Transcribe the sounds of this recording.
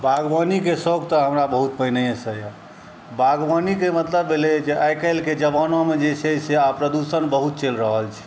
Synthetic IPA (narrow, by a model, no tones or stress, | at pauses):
bʱaɡʋənikesoɡt̪ɔɦəmɾabəɦut̪̚pəɦnəjesəja | bʱaɡʋənikemət̪ləbːeled͡ʒeʔajkəɪlked͡ʒəbanɔmed͡ʒet͡ʃʰeseapɾəd̪usənbəɦut̪̚t͡ʃelɾəɦəlt͡ʃʰɛ̥